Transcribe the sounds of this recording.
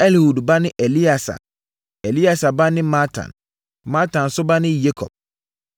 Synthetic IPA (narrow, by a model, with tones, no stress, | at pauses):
ɛ˦lhu˨dba˦nɪ̃˦ʔe˨li˦a˨sa̰˨ | e˨li˦a˨sa˨ba˦nɪ̃˦ma˦tʰã̰˨n | ma˦tʰã˨nsʊ˦ba˦nɪ̃˦je˦kʰɔ̰˨b̚